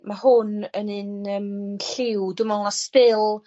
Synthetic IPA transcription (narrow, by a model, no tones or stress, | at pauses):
mahʊnənɨnəmɬɪwdʊmanaspɪlˠ